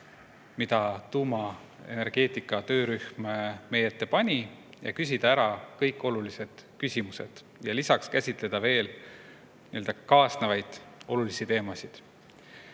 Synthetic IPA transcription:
mid̪ɑt̪uːmɑ | e̞̰ne̞rɡ̥e̞ːt̪ˑikːˑɑt̪ø̞ːɾyhmeme̞jet̪ˑːe̞pɑnʲi | jɑ̰kys̬ʲid̪̥ɑæɾɑkɤjkːˑo̞lulise̞d̪̥kysʲimuse̞̰d̪̥ | jɑlisɑkskæsʲit̪ˑle̞d̪̥ɑve̞ːl | niøld̪ɑkɑːsnevɑjd̪̥o̞lulisit̪e̞ːmɑsid̪̥

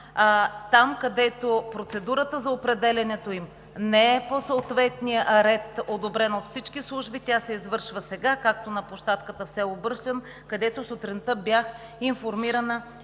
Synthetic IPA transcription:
t̪amkɐd̪ɛt̪opɾot̪sɛd̪uɾət̪əzɐopɾɛd̪ɛlʲɛnɛt̪oim | nɛɛposoːt̪vɛt̪nijəɾɛt̪od̪obɾɛnot̪fsit͡ʃkislˠuʒbit̪ʲasɛizvɤɾʃvəsɛɡakak̚t̪onɐpoʃt̪at̪kət̪əfsɛobɤɾʃlɛn | kɐd̪ɛt̪osot̪ɾint̪əbjax | infoɾmiɾənə

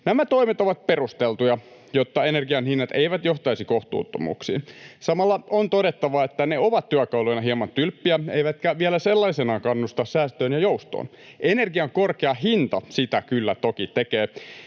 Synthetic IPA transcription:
næmæt̪o̞imet̪o̞ʋɑt̪̚perust̪elt̪ujɑ | jot̪ːɑenerɡiɑnhinːɑt̪eiʋæt̪joht̪ɑisikoht̪ṵːt̪ːo̰mṵːksḭːnsɑmɑlːɑont̪odet̪ːɑʋɑet̪ːæneoʋɑt̪tyækɑulojnɑɦiɑmɑnt̪ylpːiæeiʋæt̪kæʋielæselːɑisenɑːkɑnːust̪ɑssæːst̪øːnjɑjoust̪o̰ːn | ʔenerɡiɑŋkorkeɑhint̪ɑsit̪ækylːæt̪okit̪ekeː

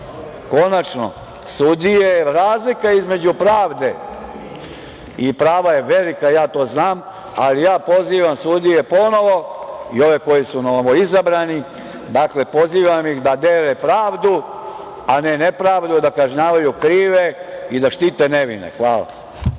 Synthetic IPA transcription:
ko̞nat͡ʃno̰ | sud̪ijeɾaːzlikaizme̞d͡ʑupɾaːʋd̪e̞ | ipɾaːʋajeʋe̞likajaːt̪o̞ːznaːm | alijaːpo̞ziːʋamsud̪ijepo̞no̞ʋo̞io̞ʋeko̞jisunoʋoizabɾani | d̪akle̞po̞ziːʋamjixd̪ad̪eːlepɾaːʋd̪u | anenepɾaːʋd̪ud̪akaʒɲaːʋajukɾiːʋeid̪aʃt̪iːt̪e̞neʋḭnḛxʋaːla̰

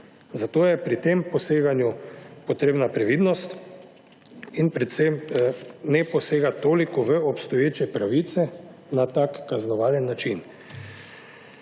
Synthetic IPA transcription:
zat̪oːjɛpɾit̪empɔseːɡanjupɔt̪ɾeːbnapɾɛʋid̪nɔst̪ | inpɾɛt̪sɛm | nɛpɔseːɡat̪oːlikɔʋəɔpst̪ɔjeːt͡ʃɛpɾaʋit̪sɛ | nat̪akːaznɔʋaːljɛnːat͡ʃin

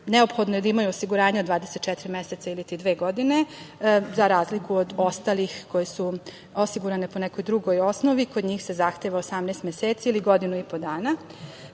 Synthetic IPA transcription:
neopxod̪nojed̪aimajuosiɡuɾaːɲeo̞d̪ʋaːd̪eset̪t͡ʃɛt̪iɾimjeset̪sailit̪id̪ʋeːɡo̞d̪ine̞ | zaɾaːzlikuod̪o̞st̪alixko̞jesu | o̞siɡuɾane̞po̞nɛko̞jd̪ɾuɡo̞jo̞snoʋiko̞d̪ɲiːxse̞zaxt̪eʋaosamnest̪mjeseːt̪siiliɡo̞d̪inuipo̞d̪aːna

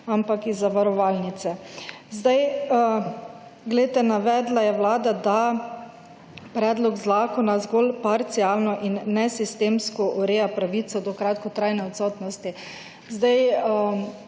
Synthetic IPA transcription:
ampakizːaʋaɾɔʋaːlnit̪sɛ | zd̪aj | ɡlɛet̪ɛnaʋɛːd̪lajɛwlaːd̪ad̪a | pɾɛːd̪lɔɡzaːkɔnazɡolpaɾt̪siaːlnɔʔinːɛsist̪eːmskɔʔɔɾeːjapɾaʋiːt̪sɔd̪ɔkɾaːt̪kɔt̪ɾajnɛɔt̪sɔːt̪nɔst̪i | zd̪aj

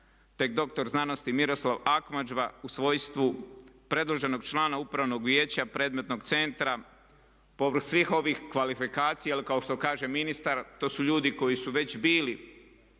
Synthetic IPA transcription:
t̪e̞k̚d̪o̞k̚t̪o̞ɾznano̞st̪imiɾo̞slˠaʋakmad͡ʒʋausʋo̞jst̪ʋupɾe̞d̪lˠoʒe̞no̞ɡ̚t͡ʃlˠaːnaupɾaʋno̞ɡʋje̞ːt͡ɕapɾe̞ːd̪me̞t̪no̞ɡt̪se̞nt̪ɾa | po̞ʋɾ̩xsʋixo̞ʋixkʋalifikaːt̪sijalikao̞ʃt̪o̞kaːʒe̞minist̪aɾt̪o̞ːsuʎuːd̪iko̞jisuʋe̞t͡ɕbiːli

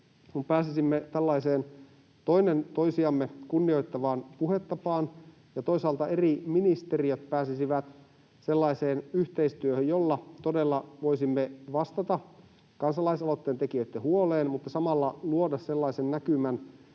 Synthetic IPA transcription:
kumpæːsisimːet̪ælːɑiseːn | t̪o̞inent̪o̞isiɑmːekunːio̞jt̪ːɑʋɑːnpuhet̪ːɑpɑːn | jɑt̪o̞isɑːlt̪ɑeriminist̪eriøt̪pæːsisiʋæt̪ | se̞lːɑiseːnyçt̪eist̪yøhøjjolːɑt̪odelːɑʋoisimːeʋɑst̪ɑt̪ɑ | kɑnsɑlɑisɑlot̪ːeːnt̪ekiøt̪ːehuoleːnmut̪ːɑsɑmɑlːɑluodɑsselːɑisennækymæn

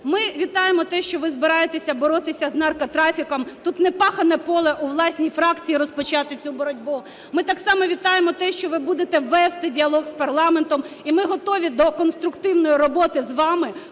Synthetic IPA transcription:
mɪʋʲit̪ɑjemɔt̪ɛʃt͡ʃɔʋɪzbɪɾɑjet̪esʲɐbɔɾɔt̪ɪsʲɐznɑrkɐt̪ɾɑfʲikɐmt̪ut̪nɛpɑxɐnɛpɔlˠɛʔuʋlˠɑsʲnʲijfɾɑkt͡sʲijiɾɔspɔt͡ʃɑt̪ɪt͡sʲubɔɾɔdʲbu | mɪt̪ɑksɑmɔʋʲit̪ɑjemɔt̪ɛʃt͡ʃɔʋɪbud̪et̪ɛʋɛst̪ɪdʲiɐlˠɔɣspɐrlˠɑment̪ɔmimɪɦɔt̪ɔʋʲid̪ɔkɔnst̪ɾʊkt̪ɪwnɔjiɾɔbɔt̪ɪzʋɑmɪ

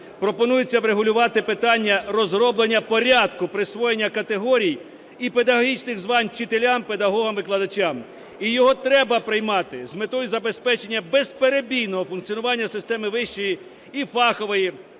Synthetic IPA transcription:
pɾɔpɔnujʊt͡sʲːɐʋɾeɦʊlʲʊʋɑt̪ɪpɪt̪ɑnʲːɐrɔzrɔblˠenʲːɐpɔɾʲɑd̪kʊpɾɪsʋɔjenʲːɐkɐt̪eɦɔɾʲij | ipe̞d̪ɐɦɔɦʲit͡ʃnɪɣzʋɑnʲt͡ʃɪt̪elʲamped̪ɐɦɔɦɐmʋɪklˠɐd̪ɐt͡ʃam | ijɔɦɔt̪ɾɛbɐpɾɪjmɑt̪ɪzmet̪ɔjuzɐbe̞spɛt͡ʃe̞nʲːɐbespeɾebʲijnɔɦɔfʊnk̪t͡sʲiɔnʊʋɑnʲːɐsɪst̪ɛmɪʋɪʃt͡ʃɔji | ifɑxɔʋɪji

